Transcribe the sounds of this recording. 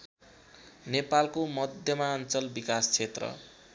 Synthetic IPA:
nepalkomʌd̪ʱjʌmaʌnt͡sʌlbikast͡sʰet̪rʌ̰

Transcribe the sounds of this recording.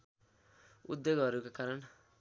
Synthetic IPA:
ṵd̪ːjoɡɦʌɾukakaɾʌn

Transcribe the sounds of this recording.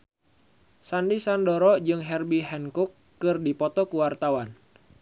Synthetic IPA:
sandisandɔɾɔd͡ʒɨŋɦɛrbiɦɛnkukːɨrdipɔt̪ɔkuwart̪awan

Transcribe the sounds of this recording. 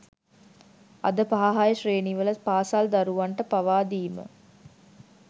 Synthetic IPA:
ɐ̰d̪əpaɦaɦajəʃreːniʋəlɐt̪paːsald̪ɐɾuʋɐɳʈəpaʋaːd̪iːmə̰

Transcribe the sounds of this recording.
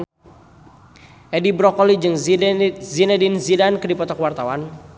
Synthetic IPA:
ɛdibɾɔkɔlid͡ʒɨŋ | zinɛdinzidankədipɔt̪ɔkwart̪awan

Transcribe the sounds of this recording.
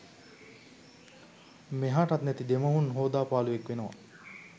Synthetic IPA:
meɦaːʈat̪næt̪id̪eməɦunɦoːd̪aːpaːluʋekʋenəʋa̰

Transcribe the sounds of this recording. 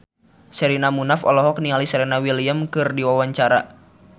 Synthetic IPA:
sɛɾinamunafɔ̰lɔɦɔk̚nialisɛɾinawiliamkɨrdiwawaɲt͡ʃaɾa̰

